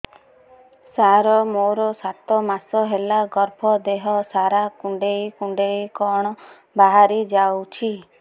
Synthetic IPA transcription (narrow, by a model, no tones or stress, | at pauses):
saɾɔmoɾɔsat̪ɔmasɔɦelaɡɔɾbʰʱɔd̪eɦɔsaɾakuɳɖejkuɳɖejkɔɽ̃ɔ | baɦaɾid͡ʒawt͡ʃʰi